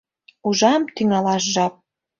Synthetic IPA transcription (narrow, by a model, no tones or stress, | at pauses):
uʒɑmt̪yŋɑlɑʃʒɑp̚